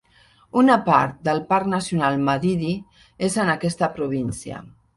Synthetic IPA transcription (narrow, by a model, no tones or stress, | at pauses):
unapa̰ɾt̪̚d̪əlˠpaɾnasjunalˠmaðiði | ezənakɛst̪əpɾuβ̞insja̰